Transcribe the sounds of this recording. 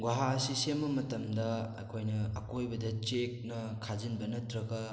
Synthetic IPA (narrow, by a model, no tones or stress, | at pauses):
ɡwaɦasisemɐmɐtɐmdɐɐkʰojnɐɐkojbɐdɐt͡ʃek̚nɐkʰazinbɐnɐtɾɐɡɐ